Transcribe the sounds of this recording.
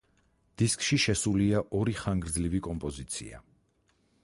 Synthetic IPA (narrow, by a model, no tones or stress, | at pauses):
d̪̥iskʼʃiʃɛsuliaʔɔɾiχaŋɡɾd̪zlivikʼɔmpʼɔzit̪sʰḭa̰